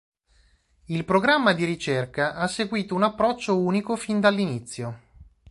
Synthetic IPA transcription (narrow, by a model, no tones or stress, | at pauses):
ilpɾoɡɾamːad̪iɾit͡ʃerkaʔasːeɡwiːt̪ounapːɾɔt͡ʃːouːnikofind̪alːinit̪sːjo